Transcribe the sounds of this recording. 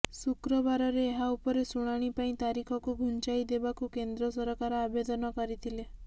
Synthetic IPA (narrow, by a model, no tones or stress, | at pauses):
sukɾɔbaɾɔɾeːɦaupɔɾesuɽ̃aɽ̃ipaĩt̪aɾikʰɔkuɡʱunt͡ʃajd̪ebakukend̪ɾɔsɔɾkaɾɔabed̪ɔnɔkɔɾit̪ʰile